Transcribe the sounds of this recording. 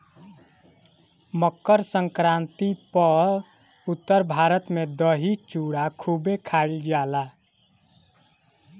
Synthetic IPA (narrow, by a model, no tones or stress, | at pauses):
məkːəɾsəŋkɾãnt̪ipə | ut̪ːəɾbʱaɾət̪med̪əɦit͡ʃuɽakʰubekʰaild͡ʒala